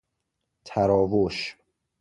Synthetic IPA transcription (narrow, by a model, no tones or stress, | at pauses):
t̪ʰæɾɒːvoʃ